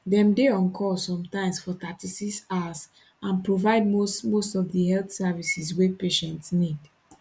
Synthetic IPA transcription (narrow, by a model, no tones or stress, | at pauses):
ðɛ̃mdeɔ̃nkʰɔsɔ̃mtãɪ̃msfɔtatisisas | ãnpɹovaɪd̚mosmostɔvðihɛlθsɛvisiswepeʃɛ̃ntsnid̥